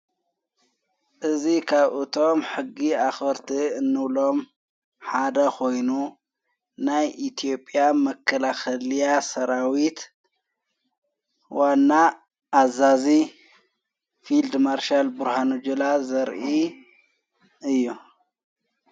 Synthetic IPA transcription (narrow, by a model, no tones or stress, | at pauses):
ʔɨzikʰaβʔɨt̪ʰo̞mħɨɡːiaxɐɾt̪ʰiɨnːɨβlo̞m | ħad̪ɐxʰo̞jnu | najʔit̪ʰijo̞pʼːjamɐkʰːɐlaxɐlijasɐɾawit̪ | wanːa | ʔːzazi | fild̪maɾʃalbuɾhanud͡ʒulazɐɾʔi | ɨjːu